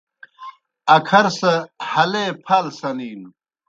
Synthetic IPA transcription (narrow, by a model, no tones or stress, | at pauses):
ɐkʰɐɾsɐhɐleːpʰɐlsɐniːm